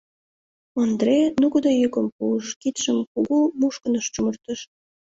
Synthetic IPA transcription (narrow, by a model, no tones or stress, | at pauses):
ond̪renukəd̪ɑjøkə̆mpuəʃkit̪ʃə̆mkuɣumuʃkɤ̆nɤ̆ʃt͡ɕumɤ̆rt̪ə̆ʃ